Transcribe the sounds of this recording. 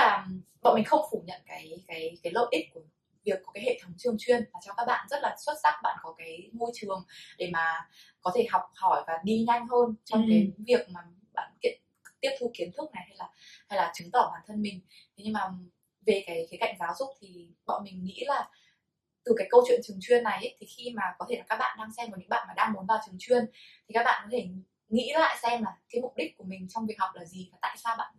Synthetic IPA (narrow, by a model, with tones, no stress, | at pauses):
aː˨˩ɓa̰˧˨mï˨˩ŋ̟xə˧wŋ͡mfu˧˩ɲə̰˧˨nkaː˨˦jkaː˨˦jkaː˨˦jlə̰˧˩ʔi˦˥ku˧˩ə | vi˨˩ək̚ːkaː˨˦hḛ˧˨t̪ʰə˨˦wŋ͡mt͡ɕɨ˨˩əŋt͡ɕwi˧ənvaː˨˩t͡ɕɔ˧kaː˦˥k̚ɓa̰ː˧˨nzə˦˥t̚laː˨˩swə˦˥t̚zaː˦˥k̚ɓa̰ː˧˨nkɔ˨˦kaː˨˦jmo˧jt͡ɕɨ˨˩əŋɗe˧˩maː˨˩ | kɔ˨˦t̪ʰe˧˩ɦa˨˩wk͡p̚hɔ˧˩jvaː˨˩ŋi˧ɲa˧jŋ̟ɦəː˧nt͡ɕɔ˧wŋ͡mke˨˦jvi˨˩ək̚maː˨˩ | ɓa̰ː˧˨nkḭ˧˨ən | t̪i˦˥əp̚t̪ʰu˧ki˨˦ənt̪ʰɨ˦˥k̚na˨˩jha˧jlaː˨˩ha˧jlaː˨˩t͡ɕɨ˨˦ŋt̪ɔ˧˩ɓaː˨˩nt̪ʰə˧nmï˨˩ŋ̟ | t̪ʰe˨˦ɲɨ˧maː˨˩ | ve˨˩kaː˨˦jkaː˨˦jka̰˧˩˨jŋ̟zaː˨˦wzʊ˦˥k͡p̚t̪ʰi˨˩ɓɔ̰˧˨nmï˨˩ŋ̟ŋḭ˧˥laː˨˩ | t̪ɨ˨˩kaː˨˦jkə˧wt͡ɕwḭ˧˨ənt͡ɕɨ˨˩əŋt͡ɕwi˧ənːa˨˩jʔə˨˦t̪ʰi˨˩xi˧maː˨˩kɔ˨˦t̪ʰe˧˩laː˨˩kaː˦˥k̚ɓa̰ː˧˨nɗaː˧ŋsɛ˧mva˨˩ɲɨ̰˧˥ɓa̰ː˧˨nmaː˨˩ɗaː˧ŋmu˨˦nvaː˨˩wt͡ɕɨ˨˩ŋt͡ɕwi˧ənt̪ʰi˨˩aː˦˥k̚ɓa̰ː˧˨nkɔ˨˦t̪ʰe˧˩ | ŋḭ˧˥la̰ː˧˨jsɛ˧mlaː˨˩kaː˨˦jmʊ˨˩k͡p̚ɗi˦˥k̟̚kːu˧˩mï˨˩ŋ̟t͡ɕɔ˧wŋ͡mvi˨˩əhwk͡p̚laː˨˩zi˨˩vaː˨˩t̪a̰ː˧˨jsaː˧wɓa̰ː˧˨n